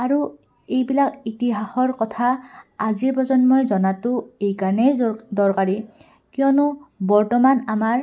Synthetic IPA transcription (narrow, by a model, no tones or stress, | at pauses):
aɹu | ejbilakitiɦaxɔɹkɔt̪ʰaaziɹpɔzɔnmojzɔnatʊejkaɹnedɔɹkaɹi | kijɔnubɔɹtɔmanamaɹ